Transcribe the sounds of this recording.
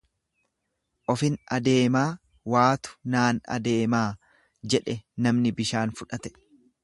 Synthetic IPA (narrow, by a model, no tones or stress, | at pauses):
ʔɔfɪnɐd̪e̞ːmaː | waːt̪ʊ̥naːnɐ̰d̪e̞ːmaː | d͡ʒɛᶑɛnɐmnɪbɪʃaːnfʊᶑɐt̪ɛ̥